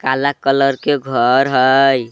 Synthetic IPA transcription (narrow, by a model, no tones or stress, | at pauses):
kalakələɾkeɡʱəɾɦəj